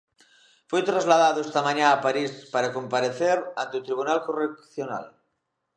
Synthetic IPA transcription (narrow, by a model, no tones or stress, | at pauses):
fojt̪ɾazlað̞aðoest̪amãɲaːpaɾispaɾakompaɾeθeɾant̪eut̪ɾiβ̞unalkorekθjona̰l